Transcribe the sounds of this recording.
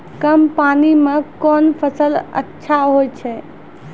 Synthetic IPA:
kəmpanimekɔnpʰəsələ̰tːʃʰaɦojt͡ʃʰɛ

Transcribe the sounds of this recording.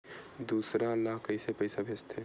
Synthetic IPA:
d̪uːsɾaəlːaɦkəɪsepɐɪsabʱeːst̪ʰeː

